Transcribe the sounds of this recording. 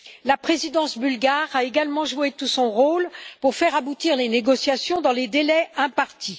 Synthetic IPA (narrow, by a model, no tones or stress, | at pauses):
lapχezid̪ɑ̃sbylɡaʁaeɡalmɑ̃ʒuet̪usɔ̃ʁolpuʁfɛʁabut̪iʁleneɡɔsjasjɔ̃d̪ɑ̃led̪elɛɛ̃paʁt̪i